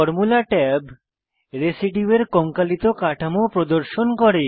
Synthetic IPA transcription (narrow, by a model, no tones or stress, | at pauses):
ɔɾmulaʈɛb | ɾesiʈieɾkɔŋkalit̪okaʈʰamopɾod̪oɾʃonkɔɾe